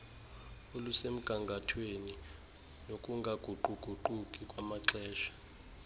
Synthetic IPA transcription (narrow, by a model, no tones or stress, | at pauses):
olusem̩ɡ̥ʱaŋɡʱatʰweni | nokʼuŋɡʱaɡ̥ʱuǃʱuɡ͡ǃ̥ʱuǃukʼikʼwamaǀɛːʃḁ